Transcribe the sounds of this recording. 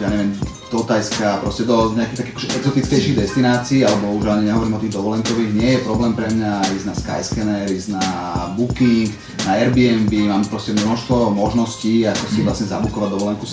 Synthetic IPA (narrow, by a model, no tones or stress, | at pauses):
jaːɲɛʋɛm | d̪̥ɔt̪ajskapɾɔ̰scɛd̪ɔɲɛakiɣt̪akiakɔʒɛʔɛɡzɔt̪it͡skɛjʃiɣd̪ɛst̪inaːt͡siːalɛbɔuʒaɲɛɲɛɦɔʋɔɾimɔt̪iːɣd̪ɔʋɔlɛŋkɔʋiːɣɲɪɛjɛpɾɔblɛːmpɾɛmɲaiznaska̰jskɛnɛɾiznabukiŋk | naɛɾbiɛmbimaːmpɾɔscɛmnɔʃst̪ʋɔmɔʒnɔsciːakɔsiʋlasɲɛzabukɔʋaɟd̪ɔʋɔlɛŋku